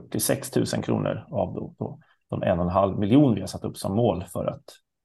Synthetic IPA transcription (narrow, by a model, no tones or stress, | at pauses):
ʈːɪsɛkst̪ʰʉ̟ːsənkʰɾṵːnʔə̰ɾavd̪opʰo | d̪̥ɔmʔɛ̰nːɔnɦalvmɪljuːnvɪhaɾsat̪ːɵpːsɔmːoːlfœɾʔa̰t̪